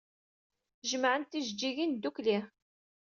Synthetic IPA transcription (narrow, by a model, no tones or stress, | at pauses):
ʒəmʕənt̪iʒd͡ʒːiɣind̪ːukli